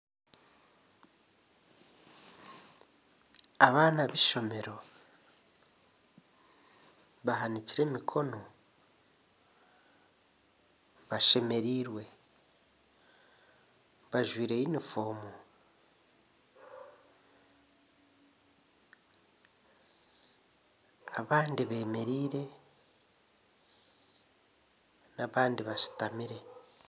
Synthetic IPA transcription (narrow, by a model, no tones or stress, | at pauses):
aβaːnaβiʃo̞me̞ɾo̞ | βaɦaniciɾe̞mikʰo̞no | βaʃe̞me̞ɾiːɾwe̞ | βaʒwiːɾe̞jinifo̞ːmu | aβaːndiβe̞ːme̞ɾiːɾe̞ | naβaːndiβaʃi̥tamiɾe̞